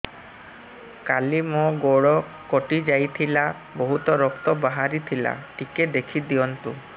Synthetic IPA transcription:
kalimoɡoɽɔ | koʈid͡ʒajt̪ʰila | bɔɦut̪ɔɾɔkt̪ɔbaɦaɾit̪ʰila̰ʈiked̪ekʰid̪iɔnt̪u

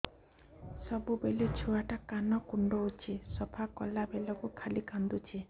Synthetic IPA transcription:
sɔbubelit͡ʃʰuaʈakanɔkuɳɖɔut͡ʃʰisɔpʰakɔlabelɔkukʰalikand̪ut͡ʃʰe

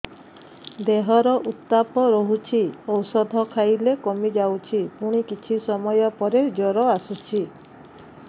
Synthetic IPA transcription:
d̪eɦɔɾɔʔut̪ːapɔɾɔɦut͡ʃʰiowsɔd̪ʱɔkʰajlekɔmid͡ʒawt͡ʃʰipuɽ̃ikit͡ʃʰisɔmɔjɔpɔɾed͡ʒɔɾɔasut͡ʃʰi

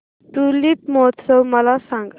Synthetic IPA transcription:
t̪ulip̪̚mot̪səwməlasãŋɡ

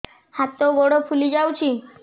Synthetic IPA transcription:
hat̪oɡɔɽopʰulid͡ʑawt͡ɕʰi

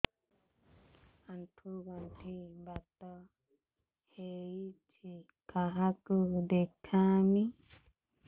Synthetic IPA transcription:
ant̪ʰuɡantimbat̪ɔ | hejit͡ʃi | kʰaɦakədekʰami

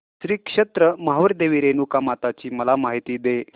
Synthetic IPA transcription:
ɕɾiːkʂet̪ɾəmaɦʋəɾd̪eʋiɾenukamat̪at͡ɕiːməlamaɦit̪iːd̪e

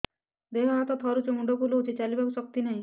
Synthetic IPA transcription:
d̪ekʰɔɦat̪ɔt̪ʰɔɾut͡ʃumuɖɔkuloɦut̪ʰit͡ʃalibakusɔk̚t̪inaɦĩ

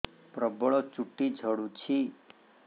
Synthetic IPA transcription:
pɾəbəɭot͡ʃuʈːid͡ʒʱəɽũt͡ʃʰi

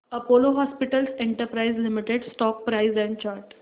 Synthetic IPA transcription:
əpoloɦɔspiʈəlseɳʈəɾpɾaizlimiʈeɖsʈɔk̚pɾaizɛ̃ɳɖt͡ɕaɾʈ

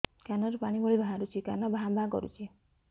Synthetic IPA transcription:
kanɔɾupaɽ̃ibɔɭibʱaɦãɾut͡ʃʰikanɔbaɦãbʱãkɔ̰ɾṵt͡ʃʰi

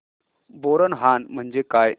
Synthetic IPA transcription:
boɾənɦanm̤əɳd͡ʑekaj

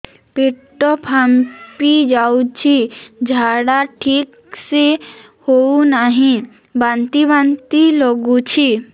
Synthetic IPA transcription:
piʈːopʰampid͡ʒaut͡ʃʰid͡ʒʱaɽaʈʰik | se | hounaɦĩ | bant̪ibant̪ilɔɡut͡ʃʰi

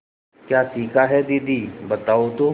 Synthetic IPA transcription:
kjaːsiːkaɦɛd̪id̪iːbət̪aːot̪o

